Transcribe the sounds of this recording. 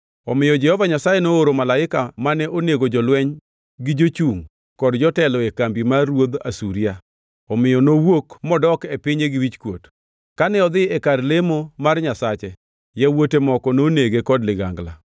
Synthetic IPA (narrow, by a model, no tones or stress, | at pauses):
ɔmɪjɔd͡ʒɛhɔvaɲasajenooɾomalaɪkamanɛʔoneɡod͡ʒɔlwɛɲ | ɡɪd͡ʒot͡ʃuŋ | kɔdd͡ʒɔtɛlɔekambimaɾwod̪asuɾja | ɔmɪjɔnowokmɔdɔkepɪɲeɡɪwit͡ʃkwot | kanɛɔd̪ɪɛkarlemomarɲasat͡ʃɛ | jɛwotemɔkɔnoneɡekɔdlɪɡa̰ŋɡla̰